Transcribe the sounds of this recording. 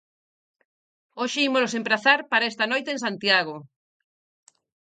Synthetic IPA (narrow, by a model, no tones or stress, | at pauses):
oʃeimolos̬empɾaθaɾpaɾaest̪ɐnojt̪ẽŋsant̪iaɣ̞o